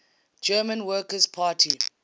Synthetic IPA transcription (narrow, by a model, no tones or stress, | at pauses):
d͡ʒɜːmə̃nwɜːkəzpʰaːtʰi